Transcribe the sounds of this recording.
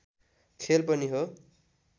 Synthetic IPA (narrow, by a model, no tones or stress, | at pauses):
kʰelpʌniɦo